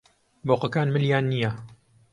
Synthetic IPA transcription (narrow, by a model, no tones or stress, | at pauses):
boːqəkaːnmɨljaːnːijɐ